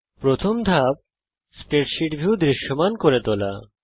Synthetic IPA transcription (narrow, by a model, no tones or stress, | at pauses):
pɾot̪ʰomd̪ʱab̚ | spɾeʈʃiʈbʱiwd̪ɾiʃːomankoɾet̪ola̰